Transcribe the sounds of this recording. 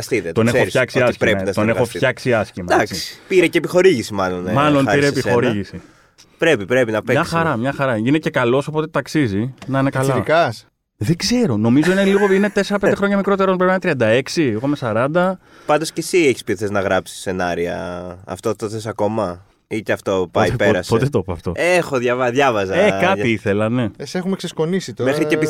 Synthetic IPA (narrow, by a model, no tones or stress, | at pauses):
ɐst̪iðet̪one̞eoɾisçɐksiɐsskɾent̪onexofçɐksiɐscimɐd̪si̥piɾeceːpixo̞ɾiʝisimɐlonmɐlo̞npiɾeːpixo̞ɾiʝisi | pɾepipɾepinɐmpeɲɐsxɐɾɐmɲɐxɐɾɐinece̞kɐlo̞so̞po̞t̪et̪ɐksizinɐnekɐlɐkɐs | ðe̞ɡze̞ɾo̞no̞mizo̞ineliɣoinet̪e̞seɾɐpend̪eɾo̞ɲɐmikɾo̞t̪e̞ɾo̞npɾepint̪ɾiɐnd̪ɐe̞ksiiɣoimesɐɾɐnd̪ɐ | pɐnd̪o̞sce̞sieçi̥spiθeznɐɣɾɐpsi̥se̞nɐɾiɐ̰ɐ̰ft̪ot̪oθes̬ɐko̞mɐ | it̪eɐft̪opɐjpeɾɐspot̪et̪opoɐft̪o̞̰exoðʝɐvɐðʝɐvɐzɐekɐtiiθelɐne̞esexumeksesko̞nisit̪omexɾiepi